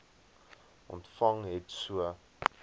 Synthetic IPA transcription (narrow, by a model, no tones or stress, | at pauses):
ʔɔ̰ntfɐŋɦɛtsuə